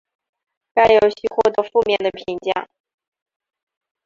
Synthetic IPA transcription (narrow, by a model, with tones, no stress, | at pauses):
ka˥ɪjo˨˩ʊɕy˥xwɔ˥˩t̪ɤ˧˥fu˥˧mjɛ˥˩nd̪ə˩pʰi˧˥nt͡ɕjɑ̰˥˩ŋ